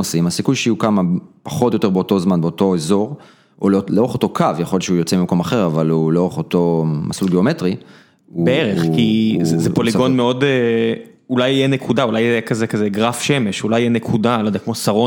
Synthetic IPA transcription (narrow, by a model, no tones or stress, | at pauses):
osimasikujʃeukamapḁχo̞t̪jo̞t̪e̞ʁbeot̪o̞zmanbeoto̞ezo̞ʁ | ʔo̰lloeχoto̞kʰavjaχolt͡ʃeujot͡semimako̞maχe̞ʁavaluleoʁeχoto̞ma̰sulɡeo̞metʁi | ubeeʁeχkizzepoliɡo̞nmeo̞de | ulajjenekʰudaulajɛkazekazeɡʁafʃeme̞ʃulajijenekʰudalod̪ajkmosaʁo